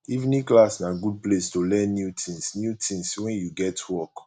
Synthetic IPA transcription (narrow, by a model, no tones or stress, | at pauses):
ivnĩklasnaɡud̚plestolɛ̃nːjutʰĩŋsnjutʰĩŋswɛ̃njuɡɛtwɔk